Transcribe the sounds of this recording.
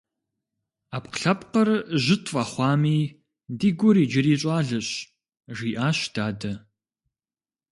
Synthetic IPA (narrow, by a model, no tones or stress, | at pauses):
aːpqɬɐpqɐrʑɪtʰʼfʼɐχʷɑːmiː | diːɡʷʊɾiːd͡ʒɪriːɕʼɑːɮɨɕ | ʒiːʔaːɕd̥aːdɐ